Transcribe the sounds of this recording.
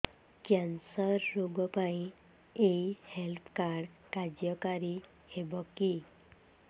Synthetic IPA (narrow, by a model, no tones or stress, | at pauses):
kjansɔɾːoɡɔpaĩ | ejhelpʰkaɾɖkad͡ʒjɔkaɾi | hebɔki